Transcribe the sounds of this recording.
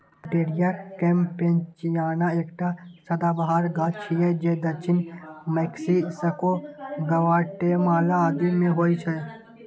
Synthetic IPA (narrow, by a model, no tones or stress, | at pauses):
ʈeːɾijakẽːmpent͡ʃijaːnaeːkʈasɐd̪aːbəɦaːɾɡaːt͡ʃʰiɛd͡ʒed̪ɐɾt͡ʃʰɪnmɛːksisɐkoɡɐʋaːʈemaːlaːd̪imẽɦoːit͡ʃʰɛ